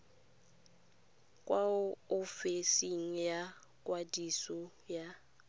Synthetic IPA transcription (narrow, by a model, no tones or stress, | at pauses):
kʼwaʊʊfɪsiŋ̩ja | kʼwadisɔ | ja